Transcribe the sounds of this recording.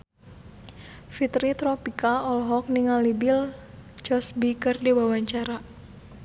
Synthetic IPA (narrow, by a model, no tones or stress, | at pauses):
fit̪ɾit̪ɾɔpikaɔlɦɔk̚niŋalibɪld͡ʒɔsbikərdiwawaɲt͡ʃaɾa